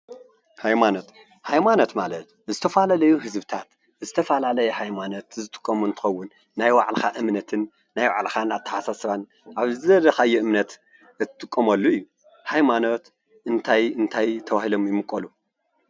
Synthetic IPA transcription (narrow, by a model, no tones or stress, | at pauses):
hajmano̞t̪ | hajmano̞t̪malɐt̪ | zɨt̪ʰɐfalalɐjuhɨzbɨt̪ʰat̪ | zɨt̪ʰɐfalalɐjɛhajmano̞t̪zɨt̪ʼɨ̥kʼːɐmuɨnt̪ʰɨ̥xɐwːʊnː | ajwa̰ʕlxaʔɨmnɐt̪ʰɨnː | ajwa̰ʕlxanat̪ʰːɐ̥ħasasɨβan | ʔaβzɨɐd̪ɐxajːuʔɨmnɐt̪ | ɨt̪ːɨt̪ʼɨkʼːɐmɐlːuɨjːu | hajmano̞t̪ | ʔɨnt̪ʰajɨnt̪ʰajt̪ʰɐβahilo̞mjɪmɨkʼːɐlu